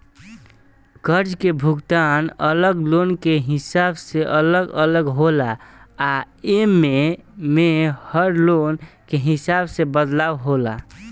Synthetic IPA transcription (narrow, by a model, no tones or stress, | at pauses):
kəɾd͡ʒkebʱuɡt̪anələɡlonkeɦisabseʔələɡələɡɦolaː | emːemehəɾlonkeɦisabsebəd̪lawɦola